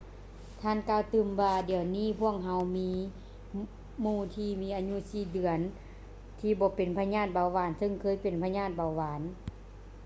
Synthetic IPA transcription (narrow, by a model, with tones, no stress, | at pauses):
t̪ʰaː˧˥˨nkaː˧˩wt̪ɯː˧˩mʋaː˧di˨˩ə˦wniː˥˨pʰu˧˥˩ək̚ɦa˧wmiː˧˥ | muː˧˩t̪ʰiː˧miː˧˥ʔaː˧ɲu˧˥siː˧˩dɯ˨˩˦ən | t̪ʰiː˧bɔː˨˧˦pe˨˩npʰa˧ɲaː˥˩t̪̚ba˨˧˩wwaː˨˦nsɤ˧˨ŋkʰɤː˧˥˨jpe˨˩npʰa˧ɲaː˧˥˩t̪̚ba˨˩wʋaː˨˦n